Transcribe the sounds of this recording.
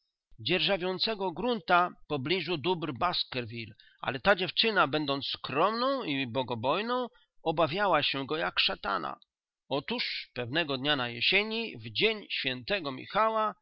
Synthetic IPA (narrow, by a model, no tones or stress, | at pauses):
d͡ʑɛɾʐavʲjɔnt̪sɛɡɔɡɾunt̪apɔblʲiʐud̪ubɾbaskɛɾvʲil | ʔa̰lɛt̪ad͡ʑɛft͡ʂɘnabɛnd̪ɔnt̪sskɾɔmnɔ̃w̃ibɔɡɔbɔjnɔ̃w̃ | ɔbavʲjawaɕɛɡɔjakʂat̪a̰na̰ | ɔt̪uʂpɛvnɛɡɔd̪ɲanajɛɕeɲivd͡ʑeɲɕfʲjɛnt̪ɛɡɔmʲḭxawa